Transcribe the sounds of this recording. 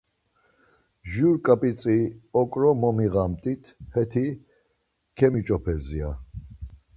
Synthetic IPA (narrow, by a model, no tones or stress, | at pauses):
ʒuɾkʼapʼit͡sʼiɔkʼɾɔmɔmiɣamt̪ʼit̪ʰhɛt̪ʰi | kʰɛmit͡ʃʼɔpʰɛzia